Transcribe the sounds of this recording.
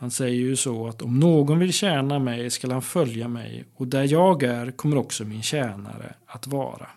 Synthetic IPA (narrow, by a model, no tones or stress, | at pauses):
hansɛjːəɾjɵsɔat̪ɔmnoːɡɔnvɪlɕɛːnamɛjskalhanfœljamɛ̰jɔd̪æɾjɑːɡæɾkʰɔmːəɾɔksɔmɪnɕɛːna̰ɾə̰at̪vɑ̰ːɾa̰